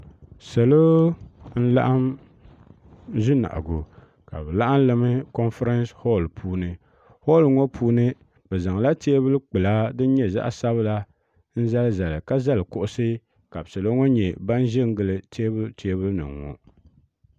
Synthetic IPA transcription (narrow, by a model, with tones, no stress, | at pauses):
sa˨lo˦n̩˦la̰˦ʔa˦m | ʒi˦na̰˨ʔɡo˨ | ka̰˨bɛ˨la˦ʔa˦n˦lɨ˦mɨ˦kɔ˦nfɾa˦nsho˦˨lpʰuː˦nɨ˨ | ho˦˨lŋɔ˦pʰuː˦nɨ˦ | bɛ˨za˨ŋ˨la˦te˦e˦bɨ˦lɨ˦k͡pɨ˨laː˦dɨ˦n˦ɲɛ˦za̰˦ʔsa˦βɨ˦la˦ | n̩˦za˦lza˨lɨ˨ka˦za˦lɨ˨kʊ˦ʔʊ˦sɨ˦ | ka˨bsa˨lo˦ŋɔ˦ɲɛ˨ba˦n˦ʒɪ˦ŋ˦ɡɨ˨lɨ˨tʰe˦bɨ˦tʰe˦bɨ˦lɨ˦nɨ̰˨ŋːɔ̰˨